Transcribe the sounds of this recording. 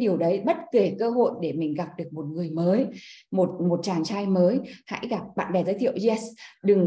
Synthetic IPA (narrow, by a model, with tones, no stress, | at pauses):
ɗi˨˩əwɗə˨˦jɓə˦˥t̚ke˧˩kəː˧ɦo̰˧˨jɗe˧˩mï˨˩ŋ̟ɣa˨˩p̚ɗɨ˨˩ək̚mo˨˩t̚ŋɨ˨˩əjməː˨˦jmo˨˩t̚mo˨˩t̚t͡ɕaː˧˩nt͡ɕaː˧jməː˨˦jha̰˧˥jɣa˨˩p̚ɓa̰ː˧˨nɗɛ˨˩zəː˨˦jt̪ʰḭ˧˨əwzɛ˧sɗɨ˨˩ŋ